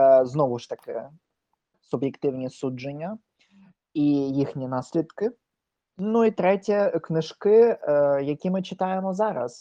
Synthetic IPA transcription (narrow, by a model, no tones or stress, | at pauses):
znovʊʂt̪ɐkʲɪ̰ | sʊbjɪkt̪ɪwnʲisudʐɨnʲːɐ | ijixnʲinasʲlʲɪd̪kɪ | nuit̪ɾɛtʲjɐknɨʂkɪjɐkʲimɨt͡ɕɪt̪ajɪmɔzaɾɐ̰s